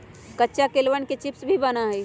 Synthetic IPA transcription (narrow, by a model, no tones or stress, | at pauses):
kətːt͡ʃakelʋənket͡ʃipsbʱibanaɦɛi